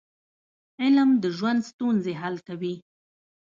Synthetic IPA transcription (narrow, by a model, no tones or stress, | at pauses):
ɪlmd̪əʒwand̪st̪unzeɦalkawi